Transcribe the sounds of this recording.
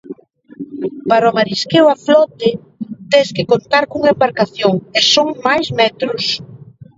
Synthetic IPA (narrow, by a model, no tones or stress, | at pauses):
paɾomaɾiskewaflɔt̪ɪ | t̪eskɪkont̪aɾkuŋaembaɾkaθjoŋesoŋmajzmɛt̪ɾʊs